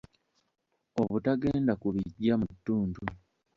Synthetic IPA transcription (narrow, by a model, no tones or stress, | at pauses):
o̞βutaɡe̞ːndakuβiɟːamutːuːndu